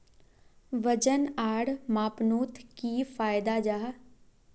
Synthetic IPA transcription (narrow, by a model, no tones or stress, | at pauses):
ʋəd͡ʒənaːɽmaːpnuːt̪ʰkiːfʰaːɪd̪aːd͡ʒaː